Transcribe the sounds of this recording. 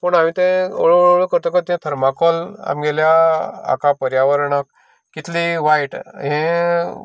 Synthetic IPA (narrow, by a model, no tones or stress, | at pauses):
pəɳamit̪ẽoɭooɭoɭəkəɾt̪ɔkət̪ẽt̪ʰəɾmakɔla̰mɡeljaa̰kapəɾjaʋəɾɳək̚ | kːit̪ʰliʋajʈɦẽ